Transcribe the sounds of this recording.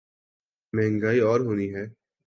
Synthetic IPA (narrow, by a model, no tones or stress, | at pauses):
mɛ̃ːŋɡaːiɔːɾɦoːniɦɛː